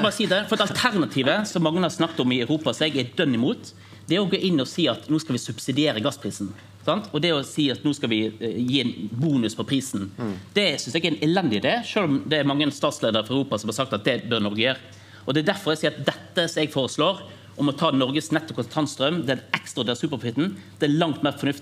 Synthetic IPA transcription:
bɑːʁəsiːd̪ɛfɔɾd̪ɑlt̪ʰæɾnɑt̪ʰiːʋəsɔmːɑŋːənəhɑɾsnɑkt̪ɔmɪœʉɾuːpɑsɔɛɡɛd̪œnːɪmuːt̪ | d̪ɛɔɡoːʔɪnːɪɔsiːɑt̪nuːskɑlʋɪsʉbsɪd̪ɪeːɾəɡɑspʰɾiːsn̩ | sɑnt̪ɔd̪ɛɔsiːɑt̪nuːskɑlʋɪjiːnbuːnʉspʰɔpʰɾiːsnd̪̥ɛsʏnsɛɛɡæɛnɛlɛnd̪ɪɪd̪eːʂøːlɔmd̪ɛːɾmɑŋːəst̪ɑːt̪sleːd̪əɾfɔɾœʉɾuːpɑsɔmhɑɾsɑkt̪ɑt̪̚d̪ɛbœɾnɔɾɡəjøːɾ | ɔd̪ɛd̪æɾfɔɾɛsiːɾɑt̪̚d̪ɛt̪ːəsɔmɛɡfoːɾəsloːɾ | ʔɔmɔt̪ʰɑːnɔɾɡəsnɛt̪ːɔp̚kʰɔt̪ʰɑnst̪ɾœmd̪ɛɛkst̪ɾʁɑd̪ɛːʁsʉːpəpʰʊfɪt̪n̩d̪̥ɛælɑŋt̪meːʁfɔnʉft̪ɪ

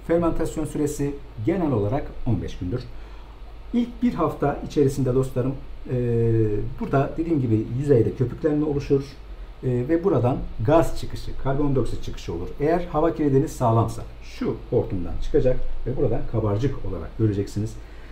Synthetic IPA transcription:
feɾmant̪ʰasjo̞nsyɾe̞si | ɟe̞nɛlʲo̞lˠaɾako̞nbɛ̰ʃɟ̥ynd̪yɾ̥ | ilʲc̚biɾɦaft̪ʰait͡ʃʰe̞ɾisind̪ɛd̪o̞sˠaɾɯmː | buɾd̪ad̪e̞d̪iːmɟibijyzejd̪ɛcʰø̞pʰyclʲeɾimɛolˠuʃuɾː | vɛbuɾad̪anɡazt͡ʃʰɯkʰɯʃɯkʰaɾɡo̞nd̪oksi̥t͡ʃʰɯkʰɯ̥ʃɯo̞lˠuɾejæɾhavacʰiɾed̪enisaːlˠamsa̰ | ʃuo̞ɾt̪ʰund̪a̰nt͡ʃʰɯ̥kʰad͡ʒakvɛbuɾad̪ankʰabaɾd͡ʒɯko̞lˠa̰ɾa̰k̚ɟø̞ɾe̞d͡ʒɛcsiniz̥

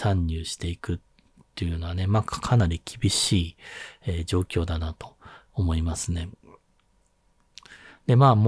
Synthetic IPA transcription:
ãɲʲːɨːɕi̥t̪e̞ikɯ̟t̪ː | e̞jɯ̟no̞βane̞maːkkʰanaɾʲikʲibʲiɕiːed͡ʑo̞ːkʲo̞ːd̪anat̪o̞̥ːmo̞imasɨne̞ | d̪e̞maːm

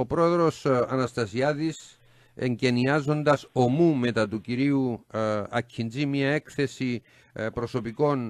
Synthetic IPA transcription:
opɾo̞e̞ðɾo̞sɐnɐst̪ɐsiɐðis | ḛɲɟe̞niɐzo̞nd̪ɐso̞mume̞t̪ɐt̪uciɾiu | ɐcʰːinzimɲɐekθe̞si | pɾo̞so̞piko̞n

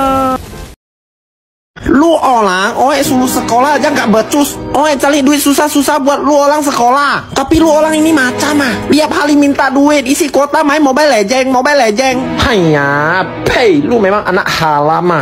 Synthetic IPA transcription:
luːʔɔːlaːŋʔɔːasuusakɔːlaːjaŋkabɤːt̪̚t͡ɕusʔɔːat͡ɕaliduisusasusabuət̪̚luːʔɔːlaŋs̬akɔlaːkapiluːʔɔːlaŋʔiniːmaːt͡ɕamabiəp̚haːlimint̪aːdueʔisikoːt̪aːmajmɔbajlɛːd͡ʑɛːŋmɔbajlɛːd͡ʒɛːŋpʰajɲaː | pʰejluːmajmaʔana̰ʔhaːlama

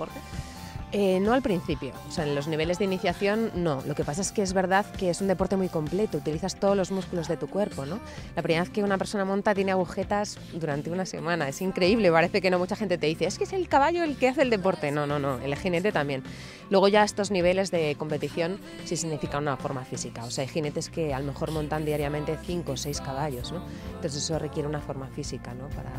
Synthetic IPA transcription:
ɾe | eno̞alpɾin̟θipjo̞̰seaelo̞zniβe̞lezðiniθjaθjo̞nːo̞lo̞ke̞pasae̞skeezβe̞ɾðaðke̞esund̪e̞po̞ɾt̪e̞mujko̞mple̞t̪o̞ut̪iliθast̪o̞ðolo̞zmuskulo̞zðe̞t̪ukwe̞ɾpo̞no̞lapɾimeeke̞unapeɾso̞namõnt̪at̪jene̞aɣ̞uxe̞t̪az | d̪uɾant̪e̞unase̞̰mãnae̞siŋkɾe̞iβle̞paɾe̞θe̞keno̞mut͡ʃaxe̞nt̪e̞t̪e̞ðiθeeskese̞lkaβaʎo̞elkeaθe̞ld̪e̞p̬o̞ɾt̪e̞no̞no̞no̞ḛlxine̞t̪e̞t̪ambje̞n | lweɣ̞o̞ʝae̞st̪o̞zniβ̞e̞le̞zðe̞ko̞mpe̞t̪iθjo̞n | sisiɣnifikanunafo̞ɾmafisikao̞seaajxine̞t̪e̞ske̞alo̞me̞xo̞ɾmõ̞nt̪and̪iaɾjamẽnt̪e̞θiŋko̞ːse̞jskaβ̞aʎo̞zno̞ | nt̪o̞θeseso̞re̞kje̞ɾeunafo̞ɾmafisikano̞pa̰ɾa̰

